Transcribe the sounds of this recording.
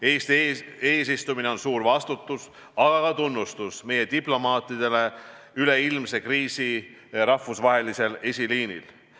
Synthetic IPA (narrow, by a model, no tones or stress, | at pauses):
eːst̪eːs̬ist̪umine̞o̞nsuːɾvɑst̪ut̪ːˑus | ɑɡ̥ɑkɑt̪unːust̪usme̞je̞t̪iplo̞mɑːt̪ːˑid̪̥e̞le̞ | yle̞ilmse̞kriːsi | ɾɑvusvɑɦe̞lise̞le̞sʲiliːnḭl